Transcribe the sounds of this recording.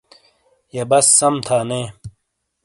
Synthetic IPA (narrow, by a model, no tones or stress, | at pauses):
jebɐsːɐmt̪ʰaːneː